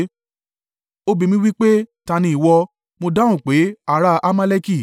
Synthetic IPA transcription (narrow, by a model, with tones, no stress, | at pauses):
o˦bi˧mĩ˦wi˦k͡pe˦tã˧nĩ˧i˨wɔ˧ | mo˧dã˦ũ˨k͡pe˨˦a˨ɾa˧˦ʔa˦ma˦le˦ki˦˨